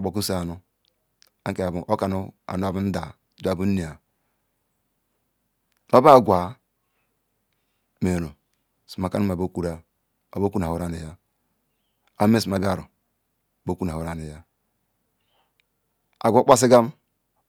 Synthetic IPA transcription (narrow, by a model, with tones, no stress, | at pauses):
bo˨ku˦se˦a˨nu˦ | a˦ŋke˦a˨bu˨ʔo˦ka˨nu˦a̰˨nu˦a˨bu˦n̩˦da˨˦du˦a˨bu˦n˦ni˨a˨ | no˦ba˦˨ɡʷa˨ | me˨no˨ | si˨ma˨ka˦nu˦˨a˨bo˦ku˨ɾa˦ | a˨bo˦ku˦na˨u˦ɾa˦ni˨ja˦ | a˦m˦e˦˨si˨m˨a˨bi˦a˦ɾṵ˨ | bo˦ku˦na˨u˦ɾa˦ni˨ja˦ | a̰˨ɡʷo˦k͡pa˦s̬i˦ɡa˦m